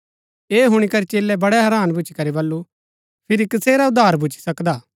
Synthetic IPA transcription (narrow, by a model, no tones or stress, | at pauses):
eːɦʊɽ̃ikɐɾit͡ʃeːlɛbɐɽɛɦɐɾaːnbʊt͡ʃʰi̥kɐɾibɐlːu | pʰɪɾikɪseːɾaʊd̪ːaːɾbʱʊt͡ʃʰi̥sɐkd̪aː